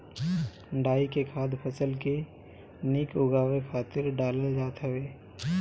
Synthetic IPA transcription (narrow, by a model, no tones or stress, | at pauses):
ɖaːikekʰaːd̪pʰəsəlke | nikʊɡaːwekʰaːt̪ɪɾɖaːləld͡ʒaːt̪ɦəʋeː